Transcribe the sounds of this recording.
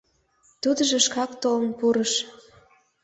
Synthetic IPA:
t̪ud̪əʒĕʃkɑkt̪olənpuɾəʃ

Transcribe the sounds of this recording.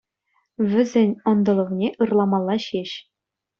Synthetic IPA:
ʋʲɘ̆zʲɘ̆nʲɤ̆nd̪ɤ̆lˠɤ̆ʁnʲeʔɯrlˠɑmɑlˠːɑɕeɕ

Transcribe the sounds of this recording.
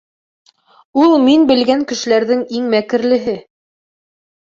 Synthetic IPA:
ulˠminbɘ̆lɡæŋkɘ̆ʃɘ̆læɾðɘŋiŋmækɘ̆ɾlɘ̆ɦɘ

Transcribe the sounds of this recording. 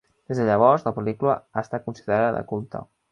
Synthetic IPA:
d̪ezðəʎəβ̞ɔɾzləpəlikuləast̪at̪̚kunsiðəɾaðəðə̰kulˠt̪ə̰

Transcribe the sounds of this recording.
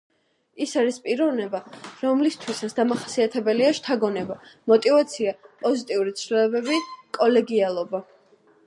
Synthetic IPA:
isaɾispʼiɾɔvnɛbaɾɔmlist̪ʰwisat̪sʰd̪amaχasiat̪ʰɛbɛliaʃt̪ʰaɡɔnɛbamɔt̪ʼivat̪sʰiapʼɔzit̪ʼiuɾit̪sʰlilɔbɛbikʼɔlɛɡialˠɔba

